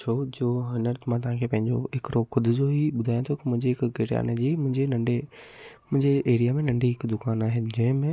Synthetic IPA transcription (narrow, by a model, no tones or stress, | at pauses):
t͡ʃʰod͡ʑoːɦɐnəɾt̪ʰmãːt̪̬ɐʋ̤ɦãkʰeːpɐ̃ɦɪ̃ɲd͡ʑo̰ɦɪkɾoxʊd̪ʱʊd͡ʑoɦiɓʊd̪ʱaːjõt̪ʰokimʊ̃ɦɪ̃ɲd͡ʑeɦɪkɡeʈja̰ːnd͡ʑiːmʊ̃ɦɪ̃ɲd͡ʑenɐ̃ɳɖemʊ̃ɦɪ̃ɲd͡ʑeeːɾijamẽnɐ̃ɳɖiɦɪkd̪ʊkaːnaːɦend͡ʑɐ̃ɦɪ̃mẽ